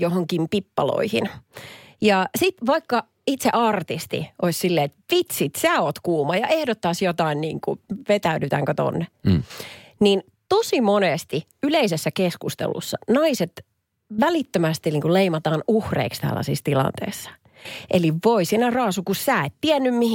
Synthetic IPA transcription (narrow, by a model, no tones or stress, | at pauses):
johoŋkimpipːɑ̰lo̰ihḭn | jɑsit̪ʋɑikːɑ | it̪seʔɑrt̪ist̪ḭʔoisʲsilːeːet̪ʋit̪sit̪sæːoːt̪kuːmɑjɑʔehdot̪ːɑsjot̪ɑinnḭːŋkuʋet̪æydyt̪æŋkøt̪o̰nːe | nin | t̪osimonest̪i | yleisesːækeskust̪ḛlṵsːɑnɑiset̪ | ʋælit̪ːømæst̪iniːŋkuleimɑt̪ɑːnuhrḛikst̪æ̰lːɑ̰sist̪ilɑ̰nt̪ḛisːɑ̥ | ʔeliʋʋoisinærɑːsukussæːet̪tiænːymmih